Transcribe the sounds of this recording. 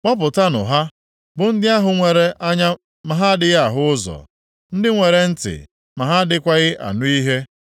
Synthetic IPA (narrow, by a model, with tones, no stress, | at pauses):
mɔ˦p̬ʊ˨ta˦nʊ̰˨ɦa˦ | bʊ˨n̩˦dɪ˦a˦ɦʊ˨ŋʷe˨ɾe˦ʔa˦ɲa˦ | ma˨ɦa˦dɪ˦ɣa˦˨ɦʊ˦ʊ˦zɔ̰˨ | n̩˦dɪ˦ŋʷe˨ɾe˨n̩˦tɪ̰˨ | ma˨ɦa˦dɪ˦kʷa˦ɣɪ˦ʔa̰˨nʊ˦i˦ɦe˦